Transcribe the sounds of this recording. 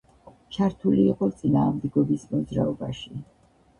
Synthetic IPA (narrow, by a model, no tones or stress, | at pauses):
t͡ʃʰaɾt̪ʰuliːqʼɔt̪sʼinaːmd̪ɛɡɔbismɔd̪zɾa̰ɔbaʃi